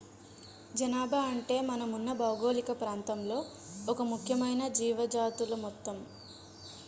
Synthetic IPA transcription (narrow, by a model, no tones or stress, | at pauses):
d͡ʒɐnaːbʱaɐɳʈe̞ːmɐnɐmunːɐbɐwɡoːlikɐpɾaːnt̪ɐmlo̞ː | ɔkɐmukʰjɐmɐjnɐd͡ʒiːʋɐd͡ʒaːt̪ulɐmɔt̪ːɐm